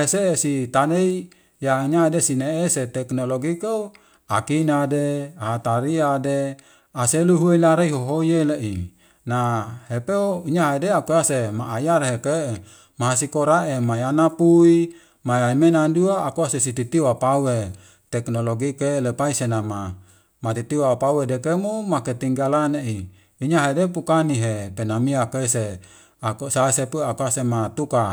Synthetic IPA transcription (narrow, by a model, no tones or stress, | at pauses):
esesit̪anei | jaiɲaadesineeset̪ɛknoloɡikau | akinadeaɦat̪aɾiade | aseluɦueilaɾeiɦoɦojeleʔḭ | nahepeoiɲaɦedeakuasemaʔːjaɾɦeke | maɦasikoɾaʔemajanapui | majaimenanduaːkuasesit̪it̪iwapawe | t̪ɛknoloɡikelepaisenama | mat̪it̪iwapawedekemumaket̪iŋɡalaneʔi | iɲaɦedepukaniɦepenamiakeise | akusaesepuakuasemat̪uka